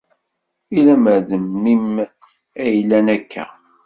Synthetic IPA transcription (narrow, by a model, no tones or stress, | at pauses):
ilæməʕðəmːim | æjlænækʰːæ̰